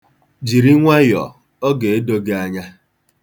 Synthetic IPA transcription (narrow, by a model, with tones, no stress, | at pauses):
d͡ʒi˨ɾi˦ŋʷa˦jɔ̰˨ | ɔ˦ɡe˨e˦do˦ɡa˦ɲa˦